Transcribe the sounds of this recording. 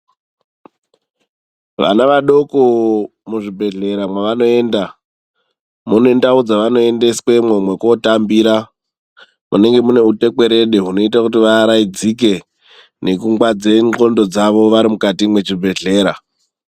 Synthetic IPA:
ʋa̰naʋaɗo̞ko | muʐibʱe̞ɮe̞ɾamwaʋano̞e̞ːnda | mune̞ndaud͡zaʋano̞e̞nde̞skwe̞mwomwe̞kwo̞tambiːɾa | mune̞ŋɡe̞mune̞ute̞ke̞ɾe̞ɗeɦuno̞itakutiʋaɾaid͡zik̬e̞ | ne̞kuŋɡwad͡ze̞ŋ͡ǃo̞ndo̞d͡zaʋo̞ʋaɾimukatimwe̞t͡ʃibʱe̞ɮe̞ːɾa

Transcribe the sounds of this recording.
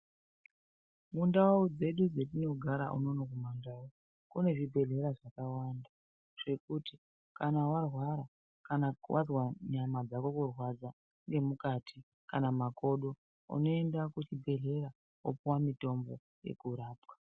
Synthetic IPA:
mundawud͡ze̞ɗud͡zetino̞ɡʱaɾa̰ʔṵno̞nok̬umandau | kune̞ʐibʱe̞ɮe̞ɾaʐakawanda | ʐ̥e̞kuti | kanawarwaɾa | kanawʔazwaɲamad͡zakokurwad͡za | ŋɡe̞mukatʰi | kanamako̞ɗo̞ | ṵno̞endakut͡ʃibʱe̞ɮe̞ɾa | o̰puwamito̞mbo̞ | je̞̰kuɾaːpwḁ

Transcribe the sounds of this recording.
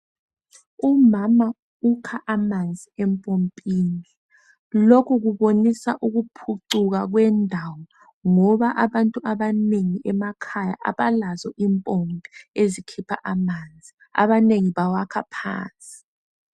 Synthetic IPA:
umama | ukʰaʔamand͡zʱiɛmpʼompʼiːni | lokʰuɣuβonisa̰ʔuɣupʰuǀuɣ̬aɣwɛndʱawɔ | ŋɔβaʔaβantʼuaβaneŋiʔɛmakʰaja̰ʔa̰βalazɔʔimpʼɔmbʱiezikʰipʰaʔamand͡zʱi | a̰βaneŋiβawakʰapʰa̰ːnt͡sʼi̥

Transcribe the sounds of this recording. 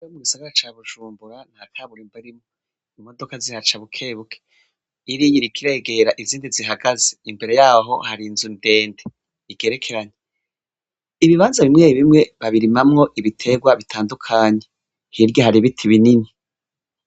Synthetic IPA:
omuɡisaɡaɾat͡ʃaːβuʒ̥uːmbuɾan̥haːtʰaːβuɾimbaiɾimŋo | imo̞do̞kazihat͡ʃaβukʰe̞ːβukʰe̥ | iɾijiɾikʰiɾe̞ːɡe̞ɾaʔiziːndiziɦaɡazeimbe̞ɾe̞jaːɦo̞haɾinzunde̞ːnde | iɡe̞ɾe̞kʰe̞ɾaɲe | iβiβaːnzaβimŋeiβimŋe̞βaβiɾimamŋo̞ʔiβitʰe̞ɡwaβitʰaːndukʰaːɲe̞ | hiɾɟohaɾiβitʰiβinini

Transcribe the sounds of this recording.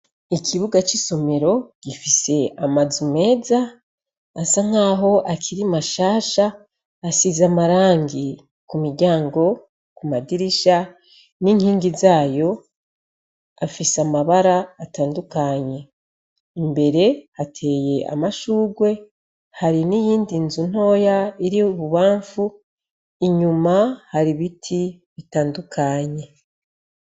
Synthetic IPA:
ikʰiβuɡat͡ʃiso̞me̞ɾo̞ɟ̥ifise̞amazume̞ːzaː | saŋ̥aːɦo̞ʔakʰiɾimaʃaːʃaː | sizamaɾaːŋɡi | kumiɾɟaːŋɡo̞ | kumadiɾiʃa | niŋ̥hiːŋɡizaːjo̞ | afisamaβaɾaːtaːndukaɲe̞ | imbe̞ɾe̞hatʰe̞ːje̞ʔa̰maʃuːɡwe̞ | haɾinijiːndinzun̥o̞ːjaiɾiuβuβaːɱfu | iɲumahaɾiβitʰi | βitaːndukʰaɲe̞

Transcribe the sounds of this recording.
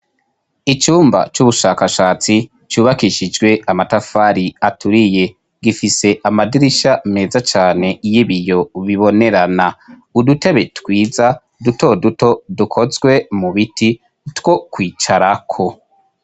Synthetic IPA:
it͡ʃuːmba̰t͡ʃuβuʃaːkaʃaːt͡si | t͡ʃuːβakiʃid͡ʒɡwe̞amatafaɾiatuɾije̞ | ɡifise̞ʔamadiɾiʃame̞ːzat͡ʃaːne̞jiβijo̞βiβo̞ne̞ɾana | udute̞βe̞twiːza | duto̞duto̞dukʰo̞zɡwe̞muβiti | two̞kwiːt͡ʃaɾakʰo̞

